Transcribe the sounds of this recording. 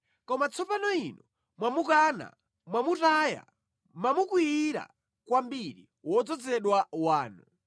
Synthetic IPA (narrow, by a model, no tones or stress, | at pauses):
kɔmat͡sʰɔpanɔinɔ | mwamukana̰ | mwamutaja̰ | mamukwiiɾa̰ | kwambiɾḭ | wɔd͡zɔd͡zɛɗwawaːnu